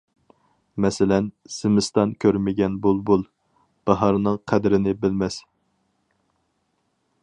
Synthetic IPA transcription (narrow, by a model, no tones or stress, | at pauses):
mɛsɪlɛn | sɪmɪst̪ɑnkʲʰøɾmɪɡʲɛnbulˠbulˠ | b̥ɑɦɑɾnɨŋqʰæd̪ɪɾɪnɪbɪlmɛs